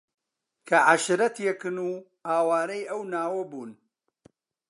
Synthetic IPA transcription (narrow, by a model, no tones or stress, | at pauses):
kʰɐʕaʃɾɐt̪jɛkɨnuː | haːwaːɾɐjʔɐwnaːwɐbuːn